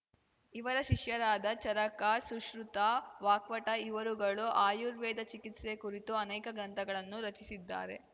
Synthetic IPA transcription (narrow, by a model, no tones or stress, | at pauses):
iʋɐɾɐʃiʃjɐɾaːd̪ɐt͡ʃɐɾɐkasuʃɾut̪aʋaːkʋɐʈɐiʋɐɾuɡɐɭuʔaːjuɾʋɛːd̪ɐt͡ʃikit̪sekuɾit̪uɐnɛːkɐɡɾɐnt̪ʰɐɡɐɭɐnːuɾɐt͡ʃisid̪ːa̰ːɾe̞̰